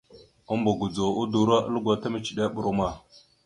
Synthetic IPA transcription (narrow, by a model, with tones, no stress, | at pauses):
ə˦mbu˨ɡu˨d͡zo˨u˦du˨ɾa˦ʔə̰˦lɡʷa˨ta˦mə˨t͡ʃi˨ɗa˦ɓu˨ɾu˦ma˨